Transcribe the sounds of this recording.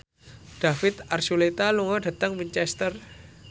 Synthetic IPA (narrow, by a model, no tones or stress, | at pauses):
ɖ̥a̤fɪt̪arsulet̪aluŋɔɖ̥a̤t̪əŋmiɲt͡ʃɛst̪ər